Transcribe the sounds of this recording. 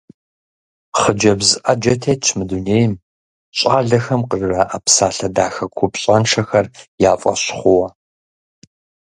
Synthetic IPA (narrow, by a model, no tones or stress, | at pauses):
χəd͡ʒɐbzɨʔɐd͡ʒɐtʰeːt͡ʃʰmɨduneːjɪm | ɕʼaːɮɐxɐmqərrɐʔapsaːɬɐdaːxɐkʷʰʊpɕʼɐnʂɐxɐrjaːfʼɐ̰ɕχʷʊwɐ